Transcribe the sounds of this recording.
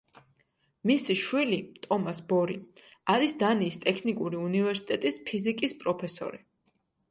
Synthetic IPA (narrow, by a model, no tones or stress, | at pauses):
misiʃwilit̪ʼɔmasbɔɾiaɾisd̪aniːst̪ʼɛkʰnikʼuɾiunivɛɾsi̥t̪ʼɛt̪ʼispʰizikʼispʼɾɔpʰɛsɔ̰ɾi